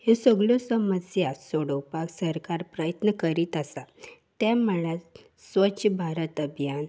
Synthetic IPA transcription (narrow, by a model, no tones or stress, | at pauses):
hesəɡɭosəməd͡zjasoɽopaksəɾkaɾpɾajət̪nəkəɾiːt̪əsat̪ɛ̃məɭ̃a | sʋət͡ɕəbʱaɾət̪əbʱjan